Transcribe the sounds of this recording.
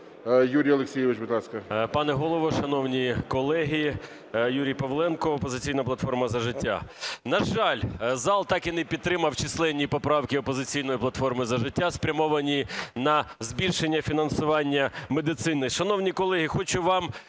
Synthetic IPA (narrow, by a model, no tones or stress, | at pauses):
juɾʲijɐlˠeksʲijɪʋɪt͡ʃbʊd̪lˠɑskɐpɑnɛɦɔlˠɔʋɔʃɐnɔwnʲikɔlˠɛɦi | juɾʲijpɔʋlˠɛnkɔːpɔzɪt͡sʲijnɐplˠɐt̪fɔrmɐzɐʒɪtʲːa̰nɐʒɑlʲzɑlˠt̪ɑkinɛpʲid̪̚t̪ɾɪmɐwt͡ʃislˠɛnʲːipɔpɾɑwkʲɪɔpɔzɪt͡sʲijn̪ɔjiplˠɐt̪fɔrmɪzɐʒɪtʲːaspɾʲɐmɔʋɐnʲinɐzbʲilʲʃenʲːɐfʲinɐnsʊʋɑnʲːɐmed̪ɪt̪sɪnɪʃɐnɔwnʲikɔlˠɛɦʲixɔt͡ʃʊʋɑm